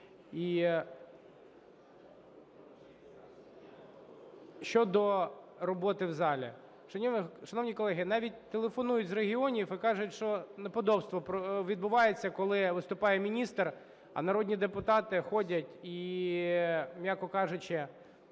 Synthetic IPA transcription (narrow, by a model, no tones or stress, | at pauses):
i | ʃt͡ʃɔd̪ɔɾɔbɔt̪ɪwzɑlʲḭ | ʃɐnʲiʃɐnɔwnʲikɔlˠɛɦɪnɑʋʲit̚ʲt̪ːelˠefɔnujʊtʲzɾeɦʲiɔnʲifikɑʐʊtʲʃt͡ʃɔnɛpɔd̪ɔbst̪ʋɔpɔʋʲid̪bʊʋɑjet͡sʲːɐkɔlˠɪʋɪst̪ʊpɑjɛmʲinʲist̪r | ɐ̰nɐɾɔdʲnʲid̪epʊt̪ɑt̪ɪxɔdʲɐtʲi | mʲjakɔkɑʐʊt͡ʃɪ